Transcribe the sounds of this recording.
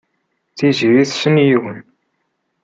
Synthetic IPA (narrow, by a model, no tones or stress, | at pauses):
θiʒiɾiθʃənjiwən